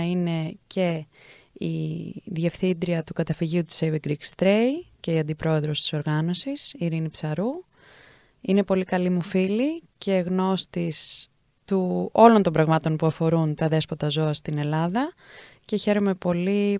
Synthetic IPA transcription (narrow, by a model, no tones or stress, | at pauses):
ine̞ce̞ | ḭðje̞fθind̪ɾiɐt̪ukɐt̪ɐfiʝiut̪u̥sejviɡɾikst̪ɾejce̞iɐnd̪ipɾo̞e̞ðɾo̞st̪i̥so̞ɾɣɐno̞sisiɾinipsɐɾu | ine̞po̞likɐlimufilice̞ɣno̞st̪is | t̪uo̞lo̞nt̪o̞mbɾɐɣmɐt̪o̞npuɐfo̞ɾunt̪ɐðe̞spo̞t̪ɐzo̞ɐst̪ine̞lɐðɐ | ce̞çe̞ɾo̞me̞po̞li